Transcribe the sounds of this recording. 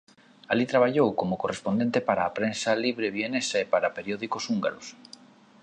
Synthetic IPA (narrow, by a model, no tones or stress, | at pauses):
alit̪ɾaβ̞aʎowkomokorespond̪ent̪epaɾaːpɾensaliβɾeβienesaepaɾapeɾjɔðikosuŋɡaɾos